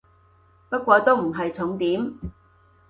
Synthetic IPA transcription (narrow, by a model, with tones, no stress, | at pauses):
pɐ˥t̚kʷɔː˧t̪o˥wm̩˨˩ɦɐ˨jt͡sʰʊ˨˥ŋt̪iː˨˥m